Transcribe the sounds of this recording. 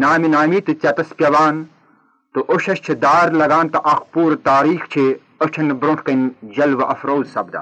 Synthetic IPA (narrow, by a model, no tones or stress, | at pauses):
naːminaːmiːt̪ɨt͡sʲɐt̪ɐspjɐʋaːn | t̪uʔoʃɐʃt͡ʃʰid̪aːɾlɐɡaːnt̪ɐʔɐxpuːɾɐt̪aːɾiːxt͡ʃʰi | ot͡ʃʰɐnbɾoʈʰkɐnd͡ʒɐlʋɐʔɐfɾoːzsɐbd̪ɐ̰